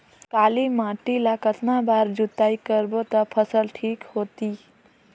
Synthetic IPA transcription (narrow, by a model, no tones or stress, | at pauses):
kaːlimãːʈilakət̪nãbaːɾd͡ʒut̪aːikəɾbot̪ɐpʰəsəlʈʰiːkhoːt̪iː